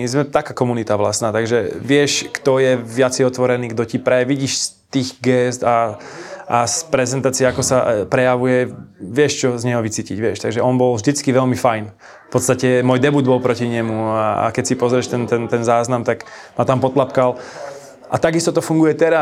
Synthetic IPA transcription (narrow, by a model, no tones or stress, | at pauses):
zmɛt̪akaːkɔmunit̪aʋlasnaːt̪aɡʒɛʋɪɛʃkt̪ɔjɛʋɪat͡sɛjɔt̪ʋɔɾɛniːɡd̪ɔcipɾɛʋiɟiːʃst̪iːɣɡɛst̪a | ʔaspɾɛzɛnt̪aːt͡siɛakɔsa̰pɾɛjaʋujɛʋɪɛʃt͡ʃɔzɲɛɦɔʋit͡siːciɟʋɪɛʃt̪aɡʒɛʔɔnbɔlvʒd̪it͡skiʋɛlmifajn | fpɔt̪st̪acɛmuɔjd̪ɛbuːd̪bɔlpɾɔciɲɛmuaa̰kɛcsipɔzɾɛʃt̪ɛnt̪ɛnt̪ɛnzaːznamt̪aɡ | mat̪ampɔt̪lapkal | ʔat̪aɡist̪ɔt̪ɔfuŋɡujɛt̪ɛɾa